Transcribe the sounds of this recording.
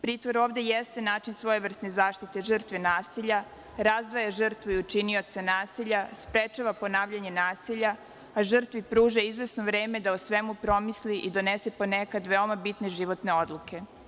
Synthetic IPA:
pɾiːt̪ʋoɾoːʋd̪ejest̪enaːt͡ʃinsʋo̞jeʋr̩snezaːʃt̪it̪e̞ʒər̩t̪ʋenaːsiʎa | ɾazd̪ʋajaʒ̩r̩t̪ʋuiut͡ʃinio̞t̪se̞naːsiʎaspɾet͡ʃaʋapo̞naːʋʎaɲe̞naːsiʎa | aʒər̩t̪ʋipɾuːʒaizʋe̞snoʋɾeːme̞d̪aosʋe̞mupɾo̞misliʔid̪o̞nesepo̞nekad̪ʋeomabit̪ne̞ʒiʋo̞t̪ne̞o̞d̪lˠukʰe̞

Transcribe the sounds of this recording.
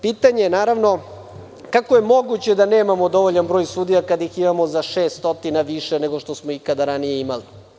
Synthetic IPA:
piːt̪aɲejenaːɾaʋno̞ | kako̞je̞mo̞ɡut͡ɕed̪ane̞ːmamo̞d̪o̞ʋoʎanbɾo̞ːjsud̪ijakad̪aiximamozaʂe̞ːst̪ot̪inaʋiʃeneɡo̞ʃt̪osmoikad̪aɾanije̞imali

